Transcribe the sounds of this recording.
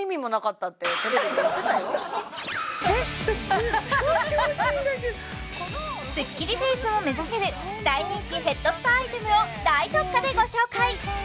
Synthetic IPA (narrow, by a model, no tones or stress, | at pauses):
imʲimo̞nakat̪ːat̪ːet̪oɾaat̪et̪ajo | sɨkʲːiɾʲiɸe̞ːsɨmo̞me̞zase̞ɾɯ̟ | d̪aiɲ̟ĩŋkʲiɸe̞t̪ːo̞sɨ̥t̪aait̪e̞mɯ̟o̞d̪ait̪o̞kːad̪e̞ɡo̞ɕo̞ːkai